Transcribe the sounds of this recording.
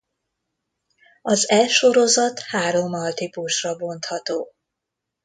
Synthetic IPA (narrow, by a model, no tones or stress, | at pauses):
ɒzɛʃo̞ɾozɒt̪haːɾo̞mːɒlt̪ipuʃrɒbo̞nt̪hɒt̪oː